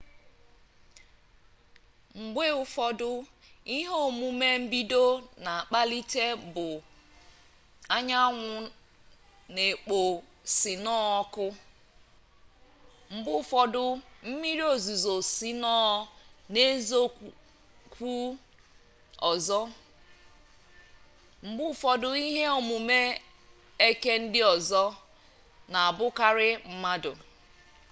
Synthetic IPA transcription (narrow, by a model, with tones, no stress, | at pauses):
ŋ͡m̩˨ɡ͡be˦ʊ˦fɔ˦dʊ˦i˦ɦo˦˨mu˦me˦m̩˦bi˦do˦na˨a˨k͡pa˦li˦te˦bʊ˨ | a˦ɲa˦ŋʷʊ˦ | ne˨k͡po˨ | si˨nɔ˦ɔ˦kʊ˦ | ŋ͡m̩˨ɡ͡bʊ˦fɔ˦dʊ˦m̩˦mi˦ɾi˦o˨zu˨zo˨si˦nɔ˦ne˦zo˦ | kʷu˦ | ɔ˨zɔ˦ | m̩˦bʊ˦fɔ˨dʊ˨i˦ɦe˦o˨mu˨me˦ | e˦ke˦n̩˦dɪ˦ɔ˨zɔ˦ | na˨a˨bʊ˦ka˦ɾɪ˦m̩˦ma˦dʊ̰˨